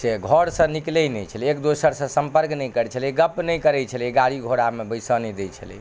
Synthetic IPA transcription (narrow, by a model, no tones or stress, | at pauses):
seɡʱɔɾsə̃niklɛjnɛjt͡ʃʰəlɛekd̪osəɾsə̃səmpəɾknɛjkəɾt͡ʃʰəlɛɡəpnɛjkəɾɛt͡ʃʰəlɛɡaɾiɡʱoɽamebəjsənɛd̪ɛjt͡ʃʰə̰lɛ̰